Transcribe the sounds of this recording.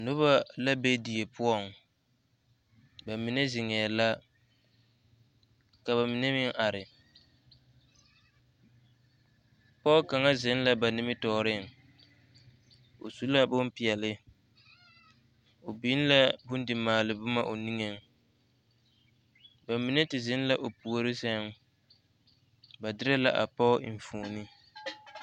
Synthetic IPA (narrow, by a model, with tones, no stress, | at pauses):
nʊ˦βa˦la˦be˦di˨e˨pʊ˦ɔ˦˨ŋ | ba˨mi˨ne˦zɪ˨ŋɛː˨la˦ | ka˨βa˨mi˨ne˦mɪ˦ŋʔa˨ɾɪ˨ | pɔ˦ka˨ŋa˦zɪ˨˦n˦la˦ba˨nɪ˦mɪ˦tɔː˨ɾɪ˦˨ŋ | o̰˨su˦la˦bʊ˦m˦pɪ˨ɛ˨lɪ˦ | o˨bi˨˦n˦la˦bʊ˦n˦dɪ˨maː˨lɪ˨bʊ˦ma˦ʔo˨ni˦ŋe˨ŋ | ba˨mi˨˦ne˦tɪ˨zɪ˦n˦la˦ʔo˨pu˨o˦ɾɪ˦sɛ˦ŋ | ba˨dɪ˦ɾɛ˦la˦ʔa̰˨pɔ˦˨ɱ˨fuː˨ni˦